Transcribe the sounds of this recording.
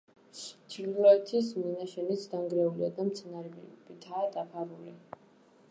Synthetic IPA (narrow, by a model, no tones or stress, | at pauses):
t͡ʃʰiɾlɔɛt̪ʰisminaʃɛnit̪sʰd̪aŋɡɾɛuliad̪amt̪sʰɛnaɾɛbb̥it̪ʰaːd̪apʰaɾuli